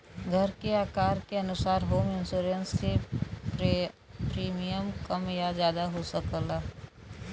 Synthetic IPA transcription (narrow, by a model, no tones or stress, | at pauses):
ɡʱəɾkeaːkaːɾkeənʊsaːɾɦoːmɪnsoːɾənsːe | pɾiːmijəmkəmjad͡ʒjaːd̪aɦosəkəlaː